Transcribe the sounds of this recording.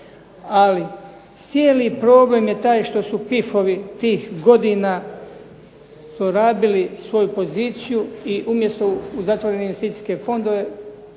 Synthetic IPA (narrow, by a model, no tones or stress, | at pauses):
ali | t̪sjeːlipɾo̞ːble̞mje̞t̪aːjʃt̪o̞supifo̞ʋit̪iːxɡo̞d̪ina | zoɾaːbilisʋo̞jupo̞ziːt̪sijuiʔumje̞st̪o̞uzat̪ʋo̞ɾeneest̪iːt̪i̥ske̞fo̞nd̪o̞ʋe̞